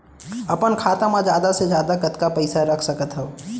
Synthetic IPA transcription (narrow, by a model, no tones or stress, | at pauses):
ɐpənkʰaːt̪amãd͡ʒjaːd̪asezjaːd̪akɐt̪kapɐɪsaɾɐkʰsɐkət̪ɦɛ